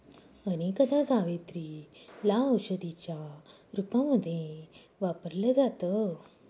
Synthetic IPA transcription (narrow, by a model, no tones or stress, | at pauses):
əñikəd̪ãd͡zaʋet̪ɾilaəwɕəd̪it͡ɕja | ɾupãməd̪ʱːjẽ | ʋapəɾləd͡zat̪ə